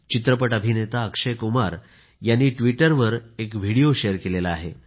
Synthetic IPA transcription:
t͡ɕit̪ɾəpəʈəbʱinet̪aəkʂəjkumaɾ | janːiːʈʋiʈəɾʋəɾekʋ̤ʱiɽijoɕejəɾkelelaaːɦe

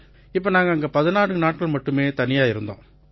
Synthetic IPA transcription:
ɪp̬ːoːnaːŋɡɐːŋɡɐpɐðɯnaːɽɯnaːʈ̚kɐɭmɐʈːɯmeːt̪ɐnɪjaːɪɾɯnd̪õ̰ː

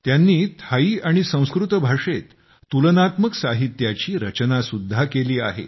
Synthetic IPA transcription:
t̪janːiːt̪ʰaiːaɽ̃isə̃w̃skɾut̪bʱaʂet̪ː | ulənat̪məksaɦit̪jat͡ɕiːɾət͡ɕnasud̪ʱːakeliːa̰ɦḛ

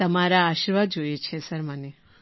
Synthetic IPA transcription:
t̪əmaɾaːʃiɾʋad̪d͡ʒojet͡ʃʰesəɾmane

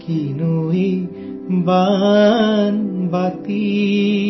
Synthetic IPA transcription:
kinuɦi | ba | nbat̪i

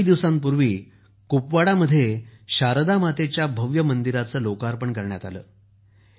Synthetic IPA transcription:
d̪iʋsãmpuɾʋiː | kupʋaɽaməd̪ʱːjeɕaɾd̪amat̪et͡ɕjabʱəʋjəmənd̪iɾat͡səːlokaɾpəɳkəɾɳja̰t̪a̰lə̰ː

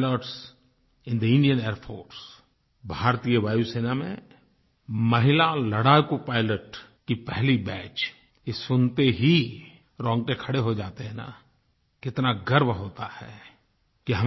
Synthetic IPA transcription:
ləʈs | ɪ̃nd̪əɪ̃nɖijəneːɾpʰoːɾs | bʱaːɾt̪ijəʋaːjuseːnamḛ̃ | mɐɦɪlalɐɽaːjkupaːɪləʈ | kipɛɦlibɛːt͡ʃ | esʊnt̪eɦi | ɾɔ̃ːŋɡ̚ʈekʰɐɽeɦod͡ʒaːt̪eɦɛ̃na̰ | kɪt̪naɡɐɾbɦoːt̪ahɛ̰ː | kiɦɐm

